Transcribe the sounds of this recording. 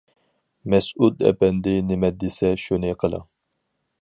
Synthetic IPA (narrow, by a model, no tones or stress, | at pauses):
mɛsud̪ɛ̰pɛnd̪ɪnɪmɛt̪̚d̪ɪsɛʃunɨqʰəlˠə̰